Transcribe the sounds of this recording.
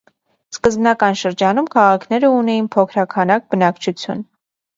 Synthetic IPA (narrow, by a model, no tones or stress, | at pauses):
skəzbnɑkɑnʃəɾd͡ʒɑnumkʰɑʁɑkʰnɛɾəunɛjinpʰɔkʰɾɑkʰɑnɑk̚bənɑkt͡ʃʰut͡sʰjṵn